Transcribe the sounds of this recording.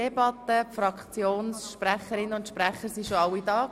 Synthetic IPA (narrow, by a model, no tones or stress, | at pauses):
ebɑt̪ːəpfɾɑkχt͡sjoːnsʃpɾæχəɾɪnəʊntʃpɾæχəɾsiʃoɑwidɑː